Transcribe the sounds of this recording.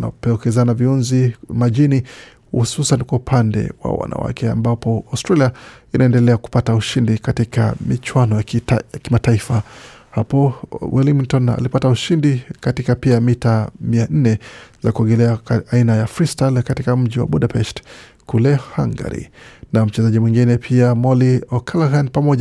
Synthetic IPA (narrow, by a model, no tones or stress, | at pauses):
na̰pɛɔkɛzanaviunzimaʄini | hṵsusanikwaupʰandɛ̰wa̰wa̰nʔa̰wa̰kʰɛa̰mbapɔastɾaliainaɛndɛlɛaku̥patauʃindikatika̰mit͡ʃwanɔjaakimataifahapɔwʔilimtɔna̰lipatauʃindikatikapiamitamian̩nɛzakuaɡɛlɛaainajafɾistalkatikam̩ʄiwa̰ɓuɗapɛst | kulɛhaŋɡa̰ɾḭnam̩t͡ʃɛzaʄimwiŋɡinɛpʰiamɔliɔkʰalaɣanpamɔʄ